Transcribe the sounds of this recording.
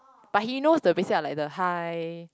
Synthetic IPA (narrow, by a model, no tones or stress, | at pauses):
b̥aʔ̚hinosdəbesialajk̚dəhaj